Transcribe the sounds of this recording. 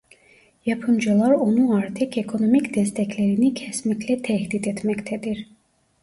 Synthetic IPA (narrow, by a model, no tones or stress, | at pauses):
jɑpʰɯmd͡ʒɯlˠɑɾonuɑɾt̪ʰɯkʰekʰo̞nomicd̪ɛst̪ʰɛcleɾinicʰɛsmiclɛt̪ʰɛhd̪id̪ɛt̪mɛct̪ʰɛd̪iɾ